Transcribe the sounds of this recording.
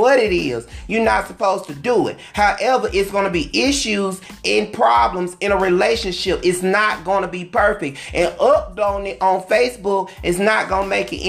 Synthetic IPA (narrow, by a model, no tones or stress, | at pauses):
wʌɾɪɾɪzjə˞nətsəpʰoʊz̥tʰɨdəɪ̰t̚haʊʔɛvə˞ʔɪtsɡ̥onɨbiʔɪʃʉzɪ̃npʰɹ̥ɑblə̃mzɨ̃ñəɹileɪʃɨ̃nʃɪpɨtsnət̚ɡ̥oʊ̃nəbipʰɜ˞fɪk̚t̚ʔɨ̃nʌp̚dõʊ̃nɪɾʔə̃n̩feɪsb̥ʊkʔɨtznət̚ɡ̥onəmeɪkɨɾʔ